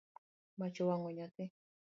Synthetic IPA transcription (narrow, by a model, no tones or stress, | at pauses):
mat͡ʃowaŋoɲat̪e